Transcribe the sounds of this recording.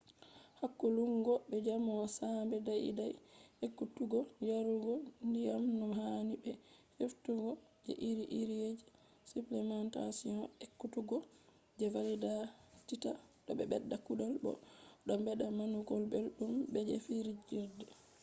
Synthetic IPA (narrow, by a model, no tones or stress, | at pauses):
hakːoluŋɡɔbɛd͡ʒamɔsambɛdajḭdajekːutuɡɔnijaɾuɡɔndijamnumhanibɛheftuɡɔd͡ʒɛ̰ʔiɾiʔiɾijed͡ʒi | suplɛmanta̰siɔ̃ekːutuɡɔ | d͡ʒɛvalidatitaɗɔ̰ɓɛ̰bɛ̰dːakuɗalbɔ̰ɗɔmbɛɗamanuɡɔlbelɗumbɛd͡ʒɛ̰fiɾd͡ʒiɾdɛ